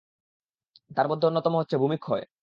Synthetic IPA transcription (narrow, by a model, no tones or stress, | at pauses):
t̪aɾmod̪ʱːeonːɔt̪ɔmoɦotːɕʰebʱumikʰːɔe